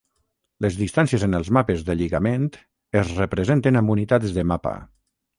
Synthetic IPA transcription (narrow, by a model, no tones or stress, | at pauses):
lezðist̪ansiezenəlˠzmapezðəʎiɣamẽnt̪ | ezrəpɾəzent̪enambunit̪ad͡zðemapa̰